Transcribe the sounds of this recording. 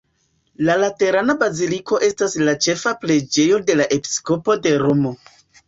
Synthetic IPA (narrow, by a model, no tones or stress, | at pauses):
lalate̞ɾanabazilikʰo̞ʔe̞staslat͡ʃe̞faple̞d͡ʒe̞jo̞de̞laʔe̞pi̥sko̞po̞de̞ɾomo̞